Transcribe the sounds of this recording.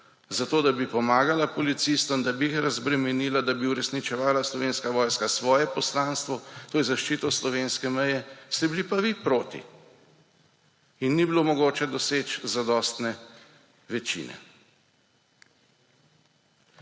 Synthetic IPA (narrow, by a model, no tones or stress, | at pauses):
zat̪oːd̪abipɔmaːɡalapɔlit̪sist̪ɔmd̪abijixɾazbɾɛmɛniːlad̪abiuɾɛsnit͡ʃɛʋaːlaslɔʋeːnskaʋɔːjskasʋɔːjɛpɔslaːnst̪ʋɔt̪oːjɛzaʃt͡ʃiːt̪ɔslɔʋeːnskɛmɛjɛst̪ɛbilipaʋipɾoːt̪ḭ | inːibilomɔɡoːt͡ʃɛd̪ɔseːt͡ʃzad̪ɔːst̪nɛ | ʋɛt͡ʃḭːnɛ̰